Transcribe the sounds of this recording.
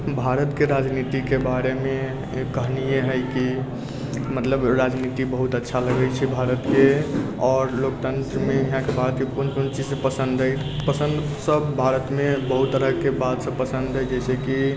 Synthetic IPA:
bʱaɾət̪keɾad͡ʒnit̪ikebaɾemẽ | kəɦnijeɦəjki | mət̪ləbɾad͡ʒnit̪ibəɦut̪ətːʃʰaləɡəjt͡ʃʰibʱaɾət̪ke | ɔːɾlokt̪ə̃nt̪ɾəmẽiɦãkebʱaɾət̪kepunpunt͡ʃid͡ʒsẽpəsə̃nd̪ɾəjpəsə̃nd̪ | səbbʱaɾət̪mẽbəɦut̪ːəɾəɦkebad̪sə̃pəsə̃nd̪ɦəjd͡ʒɛɪseki

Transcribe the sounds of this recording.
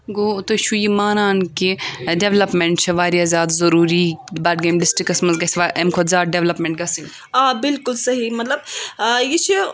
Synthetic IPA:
ɡot̪oʃʰujimaːnaːnkiɖeʋlɐpmeɳʈt͡ʃʰɐʋaːɾjaːzjaːd̪zɐɾuːɾibaːʈɡeːmɖɪsʈɾikːɐsmɐnzɡɐsʋaʔemkʰot̪zʲaːt̚ɖeʋlɐpmẽɳʈ̚ɡɐsĩŋ | aːbɪlkʊlsɐɦimɐt̪lɐbjit͡ʃʰi

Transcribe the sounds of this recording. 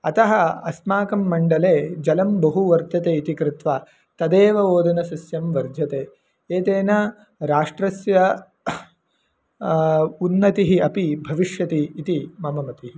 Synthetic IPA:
ɐt̪ɐɦɐɐsmaːkɐmːɐɳɖɐleːd͡ʒɐlɐmbɐɦuʋɐɾt̪ɐt̪eːit̪ikɾɪt̪ʋa | t̪ɐd̪eːʋɐoːd̪ɐnɐsɐsjɐmʋɐɾd̪ʱjɐt̪eː | eːt̪eːnɐ | ɾaːʂʈɾɐsjɐ | unːɐt̪iɦiɐpibʱɐʋiʂjɐt̪iːt̪imɐmɐmɐt̪iɦi

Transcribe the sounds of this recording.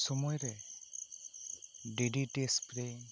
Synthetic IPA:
sɔmɔjɾɛ | ɖeɖiʈespɾɛ

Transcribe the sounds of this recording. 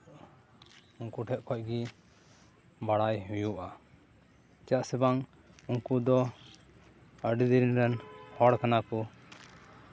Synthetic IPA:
uŋkuʈʰɛʔ̚kʰɔc̚ɡi | baɽajɦujuʔa | t͡ʃaʔsɛbaŋ | uŋkud̪ɔ | əɖid̪iɾinɾɛnhɔɽkanakɔ

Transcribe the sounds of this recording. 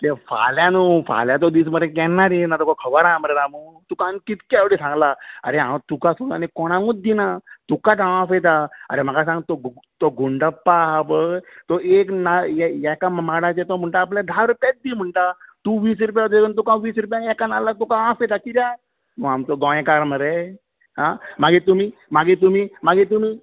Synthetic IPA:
t̪ẽfa̰ljanuːfa̰ljãt̪̬od̪iːs̬məɾẽkɛnːaɾinat̪ɔkɔkʰəʋaɾãmɾeɾamut̪ukãnkit̪kaʋɽisãŋɡlaa̰ɾeɦã̰t̪ukasot̪a̰nekɔɽ̃ãŋɡũt̪̚d̪inat̪ukãt̪ããfet̪aa̰ɾem̤akasãŋɡt̪ot̪oɡuɳɖəpːaɦabət̪oeknajɛjɛkammaɽãt͡ɕet̪om̤əɳʈaːp̬ljad̪ʱaɾupjat̪̚d̪iːm̤əɳʈat̪uʋiːs̬ɾup̬jat̪eənt̪ukãʋiːsɾup̬jãnɛkanalat̪ukããfet̪akiɾja | məamt̪oɡɔ̃ẽkaɾməɾe | ɦãmaɡit̪umiːmaɡit̪̬umiːmaɡit̪̬um̤iː

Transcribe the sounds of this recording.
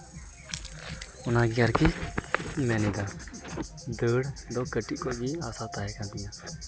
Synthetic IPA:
ʊnaɡiaɾki | mɛnid̪a | d̪əːɽd̪ɔkəʈiʔkɔd͡ʒiaːsat̪aɦɛkãnd̪ijãː

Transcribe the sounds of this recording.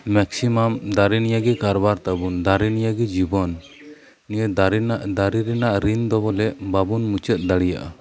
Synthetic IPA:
mɛksimamd̪aɾinijaɡɛkaɾbaɾt̪abund̪aɾinijaɡɛd͡ʒibɔnː | ijəd̪aɾnaʔd̪aɾiɾɛnaʔɾind̪ɔbɔlɛʔbabunmut͡ʃət̪̚ˀd̪aɽija̰ʔa̰

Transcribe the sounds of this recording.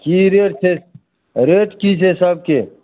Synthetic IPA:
kiːɾeːʈsʰe | ɾeːʈkiːseːsɐb̚ke

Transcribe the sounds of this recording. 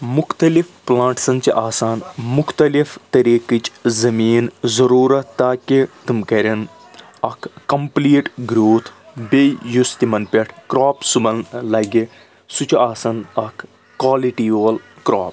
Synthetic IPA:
mukt̪ɐlifplãːɳʈsɐnt͡ʃiʔaːsaːnmukʰt̪ɐlift̪ɐɾiːkit͡ʃzɐmiːnzɐɾuːɾɐt̪ːaːkit̪umkɐɾʲɐn | ɐkʰːɐmpliːʈɡɾuːt̪ʰbejust̪imɐnpʲeʈʰkɾaːpsubɐnlɐɡi | sut͡ʃaːsɐnɐkʰː | waːliʈiːɐl | kɾaːp

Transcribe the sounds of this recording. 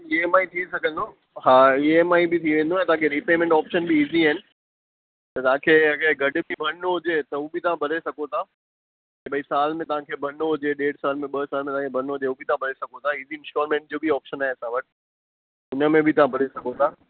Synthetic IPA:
ieːmaːit̪ʰisɐɡʱə̃nd̪oː | ɦaːieːmaːibɪt̪ʰiʋẽːnd̪oaːẽt̪ɐʋɦãkʰeɾipeːmẽɳʈɔːpʃənbiːziaːɦɪnɪ̆ | t̪ɐt̪ɐʋ̤ãkʰeːɐɡəɡʱɐɖʊ̆bʱibʱɐnɦʊd͡ʑeːt̪ɐʊbʱɪt̪ɐʋ̤ãbʱɐɾesɐɡot̪ʰaː | ebɐisaːlmẽt̪ɐʋ̤ãkʰeːbʱɐnɦʊd͡ʑeɗeːɽsaːlmẽɓɐsaːlmẽt̪ɐãkebʱɐnɦʊd͡ʑeuːbʱɪt̪ɐãbʱɐɾesɐɡot̪ʰaiːziɪ̃nsʈɔːɾmẽːɳʈ̚d͡ʑoːbiɔːpʃənaːɦeɐsãːʋɐʈ | ʊnə̆mẽbʱɪt̪ɐʋ̤ãbʱɐɾesɐɡʱot̪ʰaː

